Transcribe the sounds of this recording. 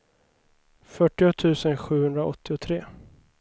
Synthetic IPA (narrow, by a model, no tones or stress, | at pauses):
fœʈːɪɔt̪ʰʉ̟ːsənɧʉ̟ːhɵnd̪ɾaʔɔ̰t̪ʰːɪʊt̪ʰɾeː